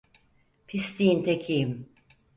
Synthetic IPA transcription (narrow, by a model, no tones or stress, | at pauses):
pʰist̪iint̪ʰecʰijim